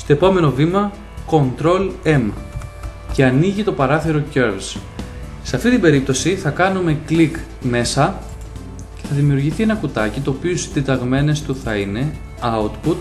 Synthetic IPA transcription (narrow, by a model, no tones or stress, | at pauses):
st̪oe̞po̞me̞no̞vimɐ | ko̞nt̪ɾo̞le̞m | ce̞ɐniʝit̪o̞pɐɾɐθiɾo̞ceɾvs | seɐft̪it̪ibe̞ɾip̚t̪o̞siθɐkɐnume̞klik | me̞sɐ | ce̞θɐðimiuɾʝiθie̞nɐkut̪ɐcit̪o̞ːpiosid̪it̪ɐɣme̞ne̞st̪uθɐine̞ | ɐut̪put̪̚